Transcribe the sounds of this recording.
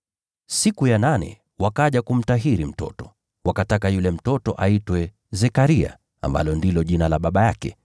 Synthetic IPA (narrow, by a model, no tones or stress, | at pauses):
sikujananɛ̰ | wakaʄakum̩taɦiɾim̩tɔ̰tɔ̥ | wakatakajulɛm̩tɔtɔ̰ʔaitwɛ | zɛkaɾia̰ | a̰mba̰lɔndilɔʄinalaɓaɓajakɛ̰